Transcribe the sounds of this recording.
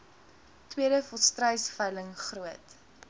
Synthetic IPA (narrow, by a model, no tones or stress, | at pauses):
twiəɾəfɔlˠstrəjsfəjləŋχruət